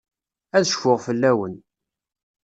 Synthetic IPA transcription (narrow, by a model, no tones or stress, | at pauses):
æðʃfʊʁfəlːæwən